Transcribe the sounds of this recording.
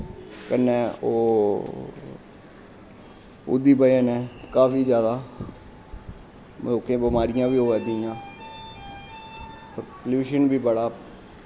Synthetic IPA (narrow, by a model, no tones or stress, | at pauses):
kənːɛ̃ːoː | ʊ̰d̪iːbəanɛːkaːfiːd͡ʒjaːd̪aː | oːkẽːbɪmaːɾɪjãːʋiːoːʋɛːd̪iːjãː | pəɾpljuːʃənbiːbəɽaː